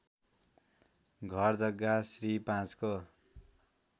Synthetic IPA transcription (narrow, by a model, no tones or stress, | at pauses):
ɡʱʌrd͡zʌɡːasripãt͡sko